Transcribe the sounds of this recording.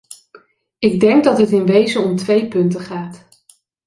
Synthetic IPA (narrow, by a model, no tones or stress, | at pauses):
ɪɡ̚dɛŋɡdɑtɦətɪnʋejzəɔmtʋejpɵntəχaːt